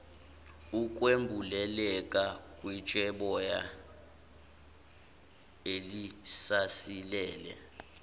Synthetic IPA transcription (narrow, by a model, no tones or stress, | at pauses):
uk̬ʼwembʱulɛlɛk̬ʼakʼwit͡ʃʼɛɓɔja | elisasilɛːlɛ̰